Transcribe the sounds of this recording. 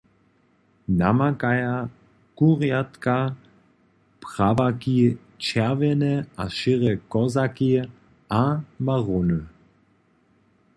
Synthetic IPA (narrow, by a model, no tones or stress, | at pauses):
namakaja | kuʁjat̪ka | pʁ̥avaki | t͡ʃɛʁvɛnɛʔaʃɪʁɛkɔzaki | amaʁonə